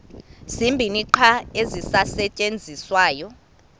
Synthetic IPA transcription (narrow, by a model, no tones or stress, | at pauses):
z̥imbʱiniǃʰaezisasɛt͡ʃʼend͡zʱiswaːjɔ